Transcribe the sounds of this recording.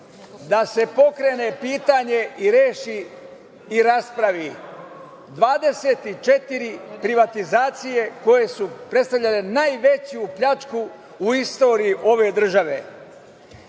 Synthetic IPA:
d̪ase̞po̞kɾe̞ːne̞piːt̪aɲe̞iɾeːʃiː | ɾaspɾaʋi | d̪ʋaːd̪e̞seːt̪it͡ʃe̞t̪iɾipɾiʋat̪izaːt̪sije̞ko̞je̞supɾet̪st̪aʋʎalenajʋe̞t͡ɕjupʎat͡ʃkuː | ist̪o̞ːɾijiʔo̞ʋe̞ːd̪r̩ʒaʋe̞̰

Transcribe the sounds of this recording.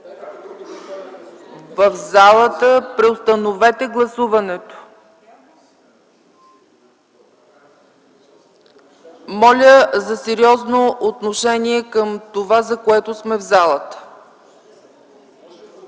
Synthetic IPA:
vəfzalˠət̪əpɾɛost̪ənovɛt̪ɛɡlˠɐsuvɐnɛt̪o̥ | mɔlʲəzɐsɛɾiɔznoʔot̪noʃɛniɛkəmt̪ovazɐkoɛt̪ʊsmɛvzalˠət̪ə̥

